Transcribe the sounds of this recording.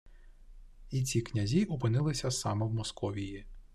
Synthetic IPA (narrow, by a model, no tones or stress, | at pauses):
it͡sʲiknʲɐzʲiʔʊp̬ɪnɪlˠɪsʲɐsɑmɛwmɔskɔʋʲiji